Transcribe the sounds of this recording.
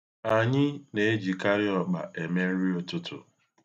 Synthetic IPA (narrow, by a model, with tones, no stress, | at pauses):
a˨ɲɪ˦ne˨e˦d͡ʒi˨ka˦ɾi˦ɔ˨ɡ͡ba̰˨ʔe˨me˦ɾi˦ʊ˦tʊ˦tʊ̰˨